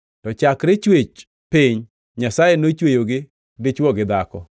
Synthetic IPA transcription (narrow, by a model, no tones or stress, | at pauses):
tɔt͡ʃakɾɪt͡ʃwet͡ʃ | pɪɲ | ɲasajenot͡ʃwejoɡɪ | dɪt͡ʃwɔɡɪd̪akɔ̰